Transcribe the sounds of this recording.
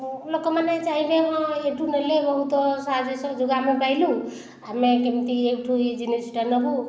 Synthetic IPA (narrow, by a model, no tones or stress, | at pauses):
lokɔmanajt͡ʃaɦilemɔ̃eʈunəlebəɦut̪saɦd͡ʒesɔd͡ʒuɡamẽbajlũ | amekemt̪iekʈʰuid͡ʒinesiʈanɔbu